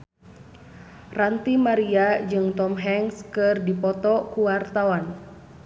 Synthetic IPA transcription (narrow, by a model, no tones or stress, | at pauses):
rant̪imaɾiad͡ʒɨŋt̪ɔmɦɛŋskɨrdipɔt̪ɔkuwart̪awan